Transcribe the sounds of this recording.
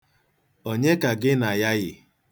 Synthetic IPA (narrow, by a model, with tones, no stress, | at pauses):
o˦ɲe˦ka˨ɡɪ˦na˨ja˦ɣɪ˨